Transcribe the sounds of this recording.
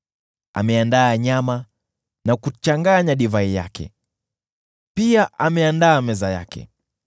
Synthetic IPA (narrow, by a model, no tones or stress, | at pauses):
a̰mɛandaːɲama | nakut͡ʃaŋɡaɲaɗivaija̰kʰɛ̰ | piaʔamɛandaːmɛzaja̰kɛ̰